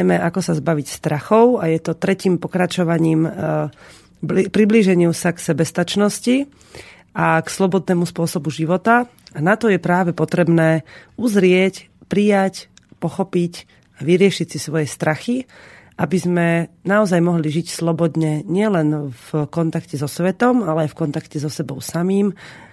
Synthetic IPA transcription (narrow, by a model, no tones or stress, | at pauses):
mɛʔakɔsazbaʋicst̪ɾaxɔʊajɛt̪ɔt̪ɾɛciːmpɔkɾat͡ʃɔʋaɲiːm | pɾibliːʒɛɲɪusaksɛbɛst̪at͡ʃnɔsci | ʔakslɔbɔd̪̚nɛːmuspʊɔsɔbuʒiʋɔt̪a | anat̪ɔjɛpɾaːʋɛpɔt̪ɾɛbnɛːuzɾɪɛc | pɾijac | pɔxɔpic | aʋiɾɪɛʃicsisʋɔjɛst̪ɾaxi | ʔabizmɛnaɔzajmɔɦliʒicslɔbɔd̪ɲɛɲɪɛlɛnfkɔnt̪akcɛzɔsʋɛt̪ɔmalɛajfkɔnt̪akcɛzɔsɛbɔʊsamiːm